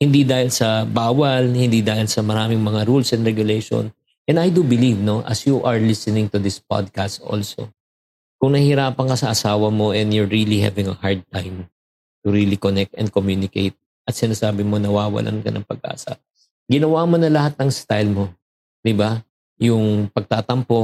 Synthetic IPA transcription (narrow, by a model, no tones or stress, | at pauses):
hɪnd̪id̪aːhɪlsɐbaːwɐlhɪnd̪id̪aːhɪlsɐmɐɾaːmɪŋmɐŋaɾulsɛnɾɛɡʊlɛjʃo̰n | ʔɛnɐjd̪ubɪlivno̞ʔɐ̰sjuʔɐɹlɪsɪnɪ̃ŋt̪ʊd̪ɪspa̰d̪̚kast̪ʔo̰lso̰ | kʊŋnɐhɪɾaːpɐŋkɐsɐʔɐsaːwɐmo̞ʔɛnd̪jʊɹːilihɛ̰vɪŋɐhaɹd̪̚t̪ãjm | t̪ʊɾiːlikonɛk̚t̪ɛ̰nd̪komjuːnɪkḛjt̪̚ | ʔɐt̪̚sɪnaːsaːbɪmo̞nɐwaːwɐ̰lʔɐ̰nkɐ̰nɐ̰ŋpɐɡ̚ʔa̰ːsɐ̰ | ɡɪnɐwamonɐlɐhat̪̚nɐŋst̪ajlmo̞ | d̪ɪba | jʊŋpɐɡ̚t̪aːt̪ɐmpo̞